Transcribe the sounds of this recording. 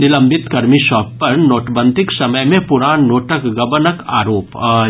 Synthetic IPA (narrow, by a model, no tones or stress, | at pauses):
nɪlɐ̃mbʱɪt̪kɐɾmiʃɔːpːɐɾnoːʈbə̃nd̪ʱɪksɐməjmẽpʊɾaːnnoːʈəkɡɐbənəka̰ːɾoːp